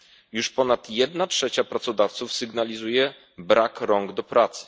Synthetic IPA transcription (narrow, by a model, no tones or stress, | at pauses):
juʂpɔnat̪jɛd̪natʂɛt͡ɕapɾat̪sɔd̪aft̪sufsɘɡnalʲizujɛ | bɾakɾɔŋɡd̪ɔpɾat̪sɘ̥